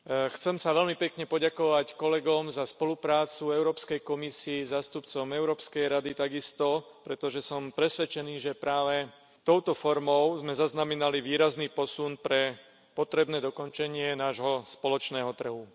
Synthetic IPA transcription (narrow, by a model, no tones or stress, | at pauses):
xt͡sɛmsaʋɛlmipɛkɲɛpɔɟakɔʋackɔlɛɡɔmzaspɔlupɾaːt͡suɛʊɾɔːpskɛjkɔmisiɛzaːst̪upt͡sɔmɛʊɾɔːpskɛjɾad̪it̪aɡist̪ɔpɾɛt̪ɔʒɛsɔmpɾɛsʋɛt͡ʃɛniːʒɛpɾaːʋɛ | t̪ɔʊt̪ɔfɔɾmɔʊzmɛzaznamɛnaliʋiːɾazniːpɔsunpɾɛ | pɔt̪ɾɛbnɛːd̪ɔkɔnt͡ʃɛɲɪɛnaːʒɦɔspɔlɔt͡ʃnɛːɦɔt̪r̩ɦu